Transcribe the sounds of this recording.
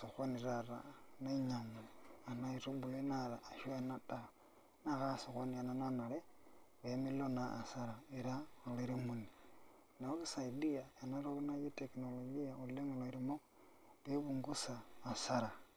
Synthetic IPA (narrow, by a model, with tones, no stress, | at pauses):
so˨xo˦ni˨ɾaɾa̰neɲa˨moa˨na˦i˨ɾo˦buje˦naɾaː˨ʃwe˦na˦da˦ | na˦˨ɣa˦so˨xo˦nia˨nana˦na˨le˦βemi˦lona̰ː˨sa˦ɾa˨eɾa˦aleɾi˦mu˨ni | na˨o˦kisa˨idiae˨na˦ɾo˦βu˦na˦ji˦teknoloɡi˦aule˦ŋo˨loiɾimo˦ | leβuŋɡu˦saː˨saɾa˨